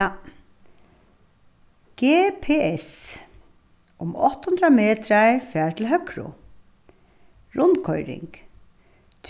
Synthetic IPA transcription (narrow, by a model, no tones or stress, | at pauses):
ɡ̥eːpʰeːɛs | ʊmɔht̪hʊnd̪ɾameːt̪ɾaɹfæːɹt̪ʰɪlɦœkɾʊ̰ | ɾʊnkʰɔʏɾɪ̰ŋk | t̪ʰ